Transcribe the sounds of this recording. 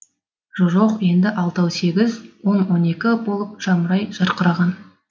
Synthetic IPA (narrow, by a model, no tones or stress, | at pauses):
ʒoʒoqje̞nd̪ɪʔɑlˠt̪ɑwse̞ɡʲɪzwo̞nwo̞ne̞kʲɪbo̞lˠəp̚ʒ̥ɑməɾɑjʒ̥ɑɾqəɾɑʁɑn